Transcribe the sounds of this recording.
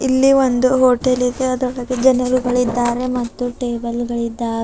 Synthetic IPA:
ilːiʋond̪uɦoːʈelid̪eɐd̪ɔɭɐɡed͡ʒɐnɐɾuɡɐɭid̪ːaːɾe̞mɐt̪ːuʈeːbɐlɡɐɭid̪ːaːɾe

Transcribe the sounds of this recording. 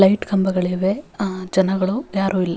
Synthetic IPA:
lɐjʈɡɐmbɐɡɐɭeːʋed͡ʒɐnɐɡɐɭujaːɾuːilːɐ

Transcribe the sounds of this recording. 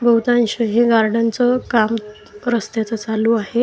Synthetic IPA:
bəwt̪ãnɕəɦeɡaɾɖant͡sɔkam | ɾəst̪jat͡sət͡saluaɦe

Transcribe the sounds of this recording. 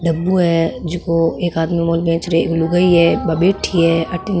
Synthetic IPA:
ɖɐbːuɦɛd͡ʒɪkoeːkaːd̪mimoːlbɛ̃ːt͡ʃɾeluɡɐiɦɛbɐbeːʈʰiɦɛːɐʈɪn

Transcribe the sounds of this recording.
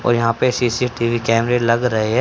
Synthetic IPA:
ɔ̰ːɾjɐɦãːpesisiʈiːʋikɛːmɾeːlɐɡɾɐɦeɦɛː

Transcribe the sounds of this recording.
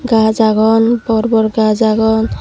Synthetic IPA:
ɡazaɡɔnbɔɾbɔɾɡazaɡɔn

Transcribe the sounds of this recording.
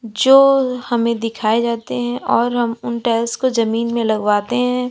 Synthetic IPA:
d͡ʒoːhɐmẽd̪ɪkʰaːed͡ʒaːt̪eɦɛ̃ʔɔːɾɦɐmʊnʈɛːlskozɐmiːnmẽlɐɡʋwaːt̪eɦɛ̃ː

